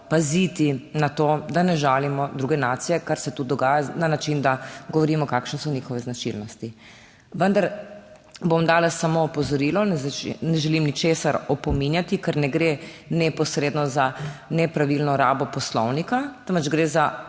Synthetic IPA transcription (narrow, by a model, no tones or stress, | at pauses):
pazit̪inat̪oːd̪anɛʒaːlimɔd̪ɾuɡɛnaːt̪sijɛkaɾsɛt̪ud̪ɔɡaːjananat͡ʃind̪aɡɔʋɔɾiːmɔkaːkʃnɛsɔnixɔʋɛznat͡ʃḭlnɔst̪i | ʋənd̪aɾ | bomd̪aːlasamoːpɔzɔɾiːlɔnɛnɛʒɛlimnit͡ʃeːsaɾɔpɔminjat̪ikɛɾnɛɡɾe | nɛpɔsɾeːd̪nɔzanɛpɾaʋilnɔɾaːbɔpɔslɔwnikat̪ənʋɛd͡ʒɡɾeːza